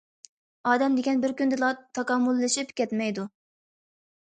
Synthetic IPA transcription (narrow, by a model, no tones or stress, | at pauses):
ɑːd̪ɛmd̪ɪɡʲɛnbɪɾkʲynd̪ɨlˠɑt̪ʰːɑkɑmːulˠːɨʃipkʲɛt̪mɛjd̪u